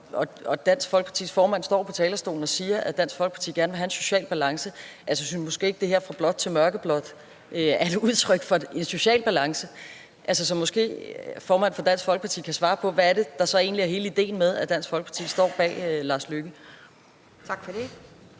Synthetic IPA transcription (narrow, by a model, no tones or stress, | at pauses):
ɒ̽ɒ̽d̥æn̰sɡ̥fɒ̽lɡ̥pʰɑ̈t͡sʰḭːsfɒːmæn̰sd̥ɒ̰ːpʰɒ̽t͡sʰɛːlɐsd̥o̝̰ːln̩ɒ̽siːɐʔæd̥æn̰sɡ̥fɒ̽lɡ̥pʰɑ̈t͡sʰḭːɡ̥æɐnʋe̝ɦhænso̝̥ɕɛ̰ːlb̥ælɑ̈ŋsəʔælsəsymɔ̽sɡ̥e̝̰ːeɡ̥̚d̥e̝he̝ɐ̰fʁɑ̈b̥lɒ̽d̥t͡sʰe̝lmɶɐɡ̥əb̥lɒ̽d̥ˠ | ʔøæɐd̥e̝uðˠt͡sʰʁœɡ̥fɒ̽e̝nso̝ɕɛ̰ːlb̥ælɑ̈ŋsə | ʔælsəs̬ɒ̽mːɔ̽sɡ̥e̝̰ːfɒːmæn̰fɒ̽d̥æn̰sfɒlɡ̥əpʰɑt͡sʰḭːkʰæsʋɑ̈ːpʰɒ̽ʋææɐde̝d̥ɑ̈sɒ̽e̝̰ːnliæɐɦe̝ːləid̥e̝̰ːn̩meðˠæd̥æn̰sfɒlɡ̥əpʰɑ̈t͡sʰḭːsd̥ɒ̰ːb̥ɛ̰ːlɑ̈ːsløɡ̥ə | t͡sʰɑɡ̥fɒd̥e